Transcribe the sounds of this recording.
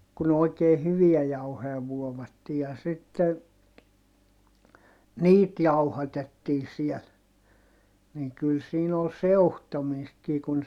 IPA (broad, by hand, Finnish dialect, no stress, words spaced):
kun oˑi̯keː hyʋiæ jɑuhoj̆ɑ ʋuoʋɑtːiː jɑ sitːe niːt jɑuhɑtetːiː siɛl niŋ kyl siːn ol seu̞htomiːstkiː kun